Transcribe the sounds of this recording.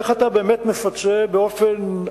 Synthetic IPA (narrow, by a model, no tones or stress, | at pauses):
eχat̪abeːmet̪mefat͡sebeofen